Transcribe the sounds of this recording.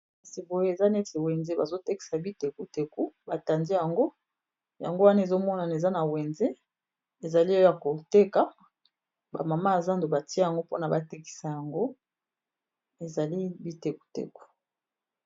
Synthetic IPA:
a˨si˨bo˨je˦e˨za˦nɛ˦te˨we˨nze˦ba˨zo˦te˦ki̥˨sa˨bi˦te˨ku˦te˨ku˦ba˨ta˨ndi˦ja˨ŋɡo˦ | ja̰˨ŋɡo˦wa˦na˦e˨zo˦mɔ˦na˨ne˨za˦na˨we˨nze˦ | e˨za˨li˦jo˦ja˨ko˨te˦ka˨ | ba̰˨ma˨ma˦a˨za˦ndo˨ba˨ti˦a˦a˨ŋɡo˦po˦na˨ba˨te˦ki̥˨sa˨ja˨ŋɡo˦ | e˨za˨li˦bi˦te˨ku̥˨˦tḛ˨ku̥˦

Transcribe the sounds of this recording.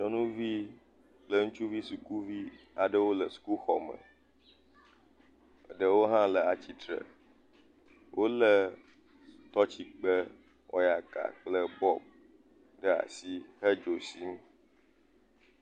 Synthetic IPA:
ɲɔ̃˨nũ˦vi˦ | k͡plə˦ŋũ˦t͡ʃu˦vi˦su˨ku˦vi˦ | a˨ɖə˦wo˦lə˨su̥˨ku˦xɔ˨mə̰̃˨ | ɖə˨wo˦ɦã˦lə˨a˨t͡ɕi˦t̪ɾə̰˨ | wʔo˦lə˦˨ | t̪ɔ˦t͡ɕi˨k͡pə˦ | ɔ̰˨˦ja˨ka̰˨k͡plə˦bɔ˦b̚ | ɖə˦a̰˨si˦hə˦d͡ʒo˨si˦m

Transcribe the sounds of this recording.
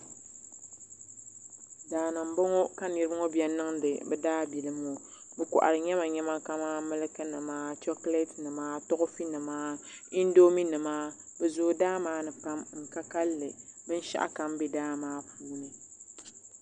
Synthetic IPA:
daː˨nɨ˨m̩˨bo˦ŋɔ˦ka˦nɨ˨ɾɨ˦ŋɔ˦bjɛ˦nɨ˦ŋdɨ˨bɨ˦daː˦bi˨lɨ˦mo˦bɨ˦kɔ̰˨ʔa̰˨ɾɨ˨ɲɛ˦ma˨ɲɛ˦ma˦ka˦maː˦mɨ˦lɨ˦kɨ˦nɨ˨maː˦tɔ˦kle˦tnɨ˨maː˦tɔ˦ɣʊ˦fi˦nɨ˨maː˦i˦n˦do˦mi˦nɨ˨maː˦bɨ˨zʊː˦daː˦maː˦nɨ˨pa˦mŋ̩˨ka˦ka˦lːɨ˨bɨ˦n˦ʃa̰˦ʔa̰˦˨ka˨m˦be˦daː˦maː˦pʰuː˦nɨ˨

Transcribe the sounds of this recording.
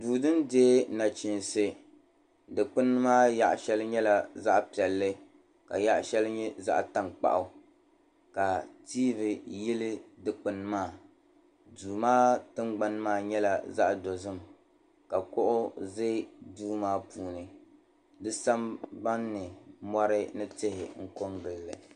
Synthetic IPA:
duː˨dɨ˦ndeː˦na˨t͡ʃi˨nsɨ˨ | dɨ˨k͡pɨ˦nːɨ˦maː˦ja̰˦ʔʃɛ˦lɨ˦ɲɛ˦la˨za˦ʔpi˨ɛ˨lːɨ˦ | ka̰˨ja˦ʔʃɛ˦lɨ˦ɲɛ˦za̰˦ʔta˦˨ŋk͡pa̰˦˨ʔʊ˨ | ka˨tiː˦vɨ˨jɪ˦lɨ˦dɨ˨k͡pɨ˨nɨ˦maː˦˨ | duː˨maː˦tɨ˦ŋɡ͡ba˦n˦maː˦˨ɲɛ˦la˨za˦ʔdo˨zɨ˦m | ka˨kʊ˦ʔʊ˦ze˦duː˦maː˦puː˨nɨ˨ | dɨ˦sa˦mba˦nːɨ˨mɔ˦ɾɨ˦nɨ˦tɪ˦hɪ̰˨ŋ̩˦ko˦ŋɡɨ˨lːɨ˨

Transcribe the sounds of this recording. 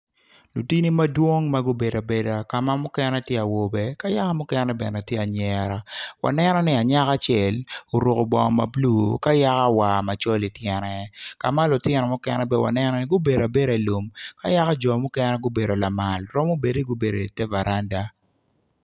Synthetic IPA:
lu˨ti˦ni˦ma˦dwo˦ŋma˦ɡʊ˦be˨da˨be˨da˨ka˨ma˦mʊ˦kɛ˦nɛ˦tjɛ˦a˨wo˨bɛ˦ka˦ja˦ka˦mʊ˦kɛ˦nɛ˦bɛ˨nɛ˨tje˦a˨ɲɛ˨ɾa˨wa̰˨nɛ˦nɔ˦nɪ˦a˨ɲa˦ka˦t͡ʃjɛ˨lo˨ɾo˨ko˨bɔ˨ŋɔ˨ma˨blu˦˨ka˦ja˦ka˦wa˨ma˨t͡ʃɔ˦li˨tjɛ˨nɛ˨ka˨ma˦lʊ˨tjɪ˨nɔ˨mʊ˦kɛnɛ˦bɛ˦wa̰˨nɛ˦nɔ˦nɪ˦ɡʊ˦be˨da˨be˦ɾa˨i˨lu˨mka˦ja˦ka˦d͡ʒɔ˨mʊ˦kɛ˦nɛ˦ɡʊ˦be˨do˨la˨ma˨lɾɔ˦mo˦be˨de˦ɡʊ˦be˨do˨i˨tɛ˦va˨ɾʔa˦nda˦

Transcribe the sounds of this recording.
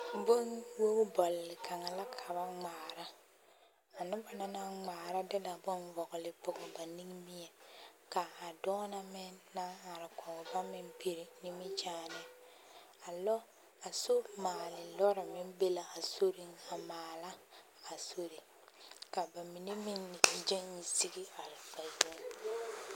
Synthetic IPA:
bʊ˦nwo˦bɔ˨lːɪ˨kʰa˨ŋa˨la˦kʰa˨ba˦ŋ͡maː˨ɾa˦ | a˨nʊ˦ba˨na˦na˦ŋ͡maː˨ɾa˦dɪ˦la˨bʊ˦nvɔ˨ɣɪ˨lɪ˦pʊ˨ɡɔ˨ba˨ni˦ŋ˦mi˦jɛ˨ka˨a˨dɔ˦na˦mɪ˦nːa˦ŋa˨ɾɪ˨kɔ˨ʊ˨ba˦mɪ˦npi˨ɾi˨nɪ˦mɪ˦t͡ʃaː˦nɪ˦ | a˨lɔ˦ | a˨so˦maː˨lɪ˨lɔ˦ɾɪ˨mɪ˦nbe˦la˨a˨so˦ɾɪ˦ŋa˨maː˨la˦ | a˨so˦ɾi˨ | ka˨ba˨mi˨ne˦mɪ˦n˨d͡ʒɪ˦nːɪ˨si˦ɡi˦a˨ɾɪ˨ba˨zl

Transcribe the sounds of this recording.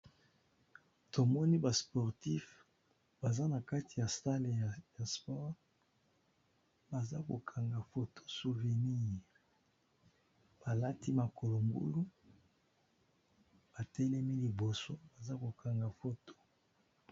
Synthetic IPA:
to˨mɔ˦ni˦ba˨spɔ˨ʁti˦f | b̥a˨za˦na˨ka˦ti˨ja˨sa˦le˨ja˨spɔ˦ʁ | ba˨za˦ko˨kʰa˨ŋɡa˨fo˦to̥˦su˨ve˨ni˦˨ʁ | b̥a˨la˦ti˦ma˨ko˨lo˨mbṵ˦lu˦ | b̥a˨tɛ˦lɛ˦mi˦li˨bo˨so˦ba˨za˦ko˨kʰa˨ŋɡa˨fo˦to̥˨

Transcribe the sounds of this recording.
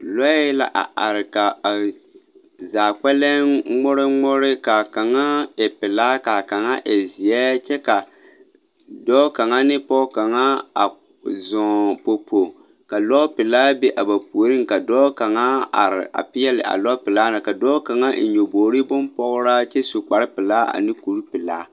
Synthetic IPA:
lɔ˦la̰˦ʔa̰˨a˨ɾɪ˨ka˨ | zaː˨k͡pɛ˦lɛ˦ŋ͡mɔ˦ɾɪ˦ŋ͡mɔ˦ɾɪ˦ka˨ka˨ŋa˦ɛ˨pɪ˨laː˦ka˨ka˨ŋa̰˦ʔɛ˨zi˨ɛ˦t͡ʃɛ˦ka˨ | dɔ˦ka˨ŋa˦nɪ˦pɔ˦ka˨ŋa˦a˨ | zɔ˨po˨po˨ | ka˨lɔ˦pɪ˨laː˦be˦ʔa˨ba˨pu˨o˨ɾɨ˦ŋka˨dɔː˦ka˨ŋa˦a̰˨ɾɪ̰˨a̰˨pɪ˦jɛ˦lɪ̰˨ʔa̰˨lɔ˦pɪ˨laː˦na˨ka˨dɔː˦ka˨ŋa˦˨ɲo˨boː˨ɾi˦bʊ˦mpɔ˦ɣʊ˦ɾa˦t͡ʃɛ˦su˨k͡pa˨ɾɪ˦pɪ˨laː˦a̰˨nɪ˦ku˨ɾu˦pɪ˨la̰ː˦

